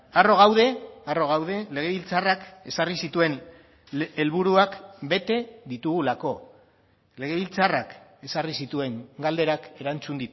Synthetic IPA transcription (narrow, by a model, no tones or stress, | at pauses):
aro̞ɣ̞awð̞e̞aro̞ɣ̞awðe̞le̞ɣ̞e̞βilt͡sarake̞sarisit̪ue̞n | e̞lβuɾuakbe̞t̪e̞ðit̪uɣulako̞ | le̞ɣ̞e̞βilt͡sarake̞sarisit̪ue̞ŋɡald̪e̞ɾake̞ɾant͡sund̪it̪